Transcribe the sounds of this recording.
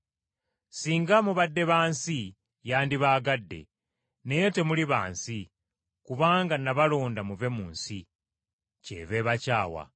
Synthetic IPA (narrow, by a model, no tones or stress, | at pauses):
siːŋɡamuβadːe̞βaːnsi | jaːndiβaːɡadːe̞̰ | ne̞je̞te̞muliβa̰ːnsi | kuβaːŋɡanaβalo̞ːndamuve̞muːnsi | ce̞̰βe̞βacaːwa̰